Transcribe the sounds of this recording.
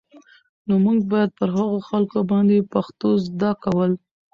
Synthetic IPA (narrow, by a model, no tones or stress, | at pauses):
nomuŋɡ̚bɑjad̪̚pəɾhaɣoxalkobɑnd̪epaxt̪ozd̪ɑkawəl